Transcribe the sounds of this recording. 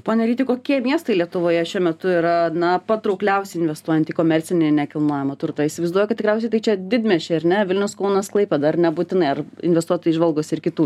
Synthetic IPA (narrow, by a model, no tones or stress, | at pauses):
poːnʲɛɾʲiːt̪ʲɪkoːkʲiɛmʲiɛst̪ɐɪlʲiɛt̪ʊʋoːjɛʃʲuɔmʲɛt̪ʊiɾɐnɐpɐt̪ɾɐʊklʲɛʊsʲɛɪɪnʲʋʲɛst̪uɔjɛnt̪ʲikoːmʲɛrʲt͡s̪ʲɪnʲenʲɛkʲɪlˠnoːjɛmɐt̪ʊɾt̪ɑisʲɪʋɐɪzduɔjɛkɐt̪t̪ʲɪkɾʲɛʊsʲɛɪt̪ɐɪt͡ʃʲɛd̪ʲɪd̪ʲmʲɛʃʲɪɐɾnʲɛʋʲɪlʲnʲɛʊskɐʊnɐsklˠɐɪpʲɛd̪ɐɐrnʲɛbuːt̪ʲɪnɐɪɐrɪ̰nʲʋʲɛst̪uɔt̪oiʒʋɐlˠɡoːsʲɪɾkʲɪt̪uː